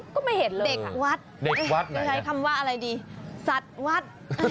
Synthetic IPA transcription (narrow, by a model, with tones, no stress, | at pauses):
kɔː˥˩ma˥˩jhe˩˦nlɤːde˨˩ka˨˩wa˦˥t̪̚de˨˩a˧˩wa˦t̪̚ɔː˥˩t͡ɕʰa˦˥jkʰa˧mwaː˦˥˩ʔa˧ɾa˧jdiː˧sa˨˩t̪̚wa˦˥t̪̚ː